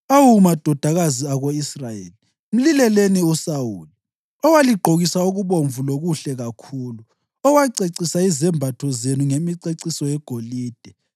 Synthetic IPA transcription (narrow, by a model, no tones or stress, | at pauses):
awumad̥ʱɔd̥ʱaɣaziaɣoisrajḛːli | m̩lilɛleniusawuli | ɔwaliɡ͡ǃʱoɣisauɣuβoɱvuloɣuɬɛɣakʰuːlu | ɔwaǀeǀisaizɛmbʱatʰɔzenuŋemiǀeǀisɔjɛɡ̥ʱoliːd̥ʱɛ